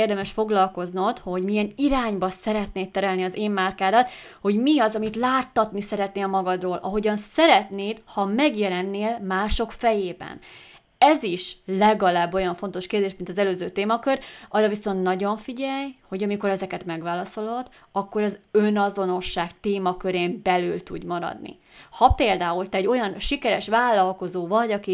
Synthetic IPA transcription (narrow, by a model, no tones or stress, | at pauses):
eːrd̪ɛmɛʃfo̞ɡlɒlko̞znot̪ho̞ɟmijɛniɾaːɲbɒsɛɾɛt̪neːtt̪ːɛɾɛlniɒzeːmːaːrkaːd̪ɒt̪ | ho̞ɟmiɒzɒmit̪laːt̪ːɒt̪nisɛɾɛt̪neːlmɒɡɒd̪roːlʔɒ̰ɦo̞ɟɒnsɛɾɛt̪neːt̪hɒmɛɡjɛlɛnːeːlmaːʃo̞kfɛjeːbɛ̰n | ɛziʃlɛɡɒlaːbːo̞jɒɱfo̞n̪t̪o̞ʃkeːrd̪eːʃmint̪ɒzɛløːzøːt̪eːmɒkøɾʔɒrːɒviso̞nt̪nɒɟo̞ɱfiɟɛjho̞ɟɒmiko̞ɾɛzɛkɛt̪mɛɡʋaːlɒso̞lod̪ | ɒkːo̞ɾɒzønɒzo̞no̞ʃːaːkt̪eːmɒkøɾeːmbɛlylt̪uɟmɒɾɒ̰d̪nḭ | hɒpeːld̪aːult̪ɛɟo̞jɒnʃikɛɾɛʃʋaːlːɒlko̞zoːvɒɟɒki